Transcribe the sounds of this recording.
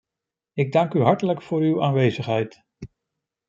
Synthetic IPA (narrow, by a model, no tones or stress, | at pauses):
ɪɡ̚dɑŋkyɦɑɹtələkfʊːɹywaːnʋejzəχɦɛjt